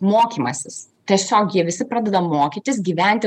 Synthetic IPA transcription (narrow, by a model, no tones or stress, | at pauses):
moːkʲiːmɐsʲɪst̪ʲiɛsʲoːkjiɛʋʲɪsʲɪpɾɑːd̪ʲɛd̪ɐmoːkʲɪt̪ʲɪs̬ɡʲiːʋʲænʲt̪ʲɪ